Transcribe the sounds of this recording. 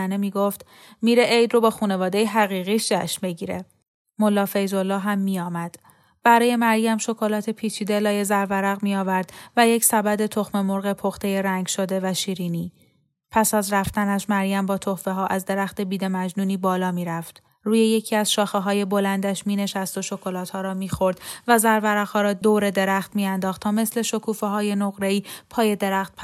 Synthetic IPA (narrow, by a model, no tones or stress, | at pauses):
nemiːɡo̞ft̪ | miːɾeʔejd̪ro̞bɒːxuːne̞vɒːd̪e̞jeɦæɣiːɣiːʃd͡ʒʰæʃmbeɟiːɾe̞ | mo̞lːɒːfe̞jzo̞lːɒːɦæmːiːjɒːmæd̪̥ | b̥æɾɒːje̞mæɾjæmʃo̞kʰo̞lɒːt̪ʰe̞pʰiːt͡ʃʰiːd̪elɒːje̞zæɾvæɾæɣmijɒːvæɾd̪̥væjecʰsæbæd̪e̞t̪ʰo̞xme̞mo̞ɾɣe̞pʰo̞xt̪ʰe̞jeɾæŋɡʃo̞d̪e̞væʃiːɾiːniː | pʰæsæzɾæft̪ænæʃmæɾjæmbɒːt̪ʰohve̞ɦɒːʔæzd̪e̞ɾæxt̪e̞biːd̪e̞mæd͡ʒnuːniːbɒːlɒːmiːɾæft̪ | ruːje̞je̞cʰiːæzʃɒːxeɦɒːje̞bo̞lænd̪æʃmiːne̞ʃæst̪o̞ʃo̞kʰo̞lɒːt̪hɒːɾɒːmiːxo̞ɾd̪væzæɾvæɾæɣhɒːɾɒːd̪oːɾe̞d̪e̞ɾæχt̪miːænd̪ɒːxt̪ʰːɒːme̞sle̞ʃo̞kʰuːfeɦɒːje̞noɣɾe̞iːpʰɒːje̞d̪e̞ɾæxt̪̚pʰ